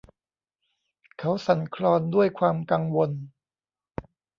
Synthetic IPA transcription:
kʰa˦˥wsa˩˦nkʰɾɔː˧ndu˥˩əjkʰwaː˧mka˧ŋwo˧n

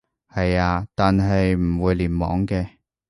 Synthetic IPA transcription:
hɐ˨jaː˧t̪aː˨nɦɐ˨jm̩˨˩wuː˨˧jliː˨˩nmɔ̰ː˨˥ŋkɛː˧

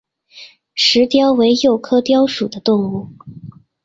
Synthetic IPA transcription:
ʂɻ̩˧˥t̪jɑ˥ʊwe˧˥ɪjo˥˩ʊkʰɤ˥t̪jɑ˥ʊʂu˨˩d̪ə˦t̪ʊ˥˧ŋu˥˩

